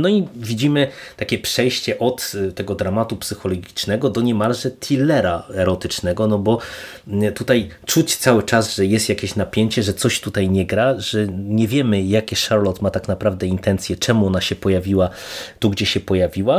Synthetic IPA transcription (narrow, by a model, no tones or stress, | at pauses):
nɔivʲid͡ʑimɘt̪akʲɛpʂɛjɕt͡ɕɛʔɔt̪t̪ɛɡɔd̪ɾamat̪upsɘxɔlɔɡʲit͡ʂnɛɡɔd̪ɔɲɛmalʐɛt̪ʰʲilɛɾaɛɾɔt̪ɘt͡ʂnɛɡɔnɔbɔ | t̪ut̪ajt͡ʂut͡ɕt̪sawɘt͡ʂasʐɛjɛst̪jakʲeɕnapʲjeɲt͡ɕɛʐɛt̪sɔɕt̪ut̪ajɲɛɡɾaʐɛɲɛvʲjɛmɘjakʲɛʂaɾlɔt̪mat̪aknapɾavd̪ɛint̪ɛnt̪sʲjɛt͡ʂɛmuɔnaɕɛpɔjavʲiwat̪uɡd͡ʑɛɕɛpɔjavʲiwa